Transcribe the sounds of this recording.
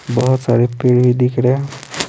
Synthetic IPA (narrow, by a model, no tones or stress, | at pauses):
bʌɦət̪saɾepeɽbʱid̪ikɽe